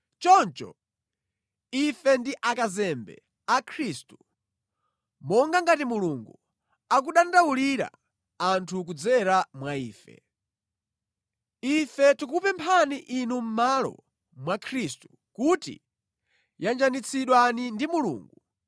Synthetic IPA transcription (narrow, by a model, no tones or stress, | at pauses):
t͡ʃɔnt͡ʃɔ̰ | ifɛndiʔakazɛmbɛ̰ | akʰɾistu | mɔŋɡaŋɡatimuluŋɡu | ak̬uɗandawuliɾa̰ | antʰuk̬ud͡zɛɾamwaiːfɛ̰ | ifɛtikupɛmpʰaniʔinum̩malɔ̰ | mwakʰɾistu | kutḭ | jand͡ʒanit͡sʰiɗwanindimulṵːŋɡu